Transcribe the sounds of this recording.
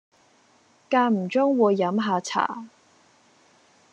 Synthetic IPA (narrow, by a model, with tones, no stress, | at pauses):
kaː˧m̩˨˩t͡ʃɔː˥ŋwuː˨˧jːɐ˨˥mɦaː˨˧t͡sʰa̰ː˨˩